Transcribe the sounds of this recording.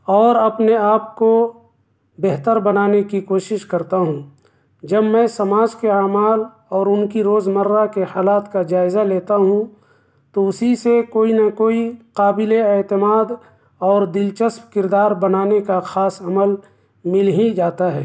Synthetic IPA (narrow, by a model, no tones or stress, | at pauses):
ɔːɾɐpneaːp̚ko | beɦt̪əɾbɐnaːnekikoːʃɪʃkɐɾt̪aɦũ | d͡ʒɐbmɛ̃ːsɐmaːd͡ʒkeaːmaːl | ɔːɾʊnkiɾoːzməɾːakehaːlaːt̪kad͡ʒaːɪzaleːt̪aɦũ | t̪oʊsisekoːinakoːiqaːbɪleeːt̪ɪmaːd̪ | ɔːɾd̪ɪlt͡ʃəspkɪɾd̪aːɾbɐnaːnekaxaːsɐməl | mɪlɦid͡ʒaːt̪aɦɛː